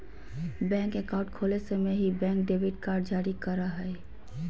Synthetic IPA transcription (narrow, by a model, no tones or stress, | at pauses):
bɛ̃ŋkekãʊ̃ʈkʰolesemeɦibɛ̃ŋk̚ɖebiʈkaɾɖd͡ʒaɾikəɾaɦəe